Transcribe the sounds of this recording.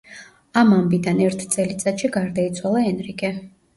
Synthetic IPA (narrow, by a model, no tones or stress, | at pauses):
amambid̪anɛɾt̪ʰt̪sʼɛlit̪sʼat̪ʃiɡaɾd̪ait̪sʰwalˠaɛnɾiɡɛ